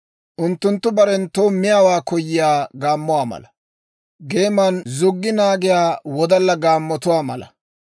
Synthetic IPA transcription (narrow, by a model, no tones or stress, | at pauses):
ʔʊnt̪ːʊnt̪ːʊbɐɾɛnt̪oːmɪjaːwaːkɔjːɪjaːɡaːmːʊwaːmɐ̰lɐ | ɡe̞ːmɐnzʊɡːɪnaːɡɪjaːwɔd̪ɐlːɐɡaːmːɔt̪ʊwaːmɐ̰lɐ̰